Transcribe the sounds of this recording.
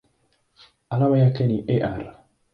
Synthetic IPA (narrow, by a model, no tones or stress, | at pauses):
alaβajakeniʔeʔaɾa